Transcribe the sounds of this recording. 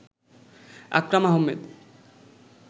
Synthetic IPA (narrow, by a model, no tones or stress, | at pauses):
a̰kɾamaɦomːed̪